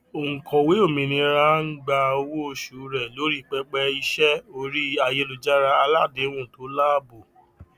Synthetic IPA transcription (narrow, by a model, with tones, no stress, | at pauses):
o˨ŋ̩˨kʰɔ̃˨we˨˦o˦˨mĩ˨˧nĩ˧ɾa˦ɡ͡ba˧o˧wo˦˧˨ʃu˨˦ɾɛ˦˨lo˨˦ɾi˦˨k͡pɛ˦k͡pɛ˧i˧ʃɛ˦o˧ɾi˦a˧je˧lo˨d͡ʒa˦ɾa˦a˧la˦˨de˨˦w̃ũ˦˨to˨˦la˦˨bo˨